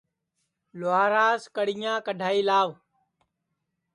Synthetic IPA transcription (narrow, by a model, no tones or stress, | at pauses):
laːɾaːskəɽɪjãːkəɖʱaːiːlaːʋ